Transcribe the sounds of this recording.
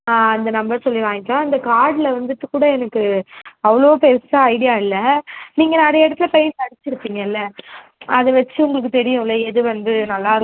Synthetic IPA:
ãːɐnd̪ɐnɐmbɐɾsɔlːɪʋãːŋɡɪkːãːɪnd̪ɐkaːɽlɐʋɐnd̪ɯʈ̪ːɯkuːɽɐɛnɐkːɯɐʋɐɭoːpeɾsaɐɪɽɪjaːɪlːɐniːŋɡɐnɐɽɐjɐɛɽɐt̪ːɪlɐpɐjɪnsɐɽɪt͡ʃːɪɾɯpːiːŋɡɐɪlːɐ | ɐðɯʋɐt͡ʃːɯʊŋɡɐɭɯkːɯt̪ɛɽɪjʊ̃ɪlːɐɛðɯʋɐnd̪ɯnɐlːaːɪɾ

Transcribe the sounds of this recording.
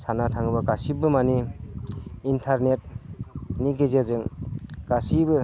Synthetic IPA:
sanatʰaŋbaɡasibɯmani | intʰaɾnet̚ | niɡezezɯŋɡ̥asibɯ

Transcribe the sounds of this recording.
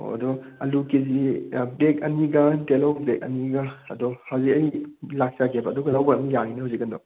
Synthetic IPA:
o̰ɐ̰dɔɐlukizibekɐniɡɐtelowbek̚ɐ̰niɡaɐdɔhawzikɐjlak̚sakʰebɐːdɔɡɐlawbɐɐmɐjaninɐhawzikɐndɔ

